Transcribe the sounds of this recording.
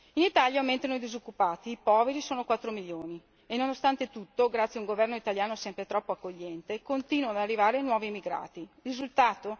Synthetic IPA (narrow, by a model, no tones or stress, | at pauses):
init̪aljament̪ɾenojd̪izokːupaːt̪iːpɔːveɾisoːnokwat̪ːɾomiʎːjoːni | enonost̪ant̪et̪ut̪ːoɡɾat̪sːjauŋɡovɛrnoit̪aljaːnosɛmpɾet̪ɾɔpːoakːoʎːɛnt̪ekont̪iːnwad̪arːivaːɾeanwɔːviemːiɡɾa̰ːt̪irizult̪aːt̪o